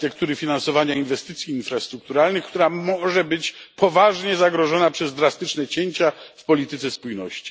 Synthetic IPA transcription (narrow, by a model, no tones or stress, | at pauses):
t̪ɛkt̪uɾɘfʲinansɔvaɲainvɛst̪ɘt̪sʲjiːnfɾast̪ɾuk̚t̪uɾalnɘxk̚t̪uɾamɔʐɛbɘt͡ɕpɔvaʐɲɛzaɡɾɔʐɔnapʂɛzd̪ɾast̪ɘt͡ʂnɛt͡ɕeɲt͡ɕafpɔlʲit̪ɘt̪sɛspujnɔ̰ɕt͡ɕi̥